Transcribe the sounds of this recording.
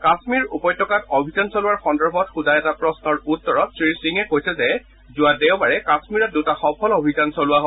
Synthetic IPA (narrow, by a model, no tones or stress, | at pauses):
kasmiɹupɔjtʰɔkatobʱizansolʊwaɹxɔndɔɹbʱɔtxudajɛtapɹɔsnɔɹutːɔɹɔtsɹisiŋɛkojsɛzɛ | zʊadewbaɹɛkasmiɹɔt̚dutaxɔpʰɔlobʱizansolʊwaɦo